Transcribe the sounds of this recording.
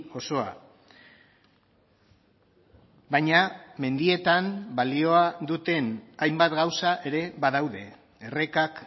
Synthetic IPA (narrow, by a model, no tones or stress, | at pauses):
o̞so̞a̰ | bajɲame̞nd̪ie̞t̪ambalio̞aðut̪e̞najmbat̪ɡawsaʔe̞ɾe̞βaðawðe̞ː | re̞kak